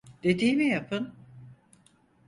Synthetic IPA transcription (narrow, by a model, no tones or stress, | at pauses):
d̪̥e̞d̪iːmijapʰɯn